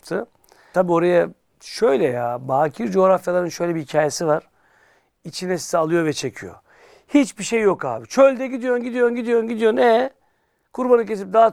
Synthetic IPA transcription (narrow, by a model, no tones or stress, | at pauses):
t̪ʰɯ | t̪ʰabiːo̞ɾaja | ʃø̞jlʲɛjaːbaːcʰiɾd͡ʒo̞ːɾafjalˠaɾɯnʃø̞jlʲɛbihicʰaːjesivaɾ̥ | it͡ʃʰinɛsi̥sɛalˠɯjo̞vɛt͡ʃʰe̞cʰijo̞̰ | hit͡ʃbiʃejːo̞ka̰ːbit͡ʃʰølʲd̪ɛɟid̪ijo̞nɟid̪ijo̞nɟid̪ijo̞nɟid̪ijo̞nɛ | kʰuɾbanɯcesip̚d̪aː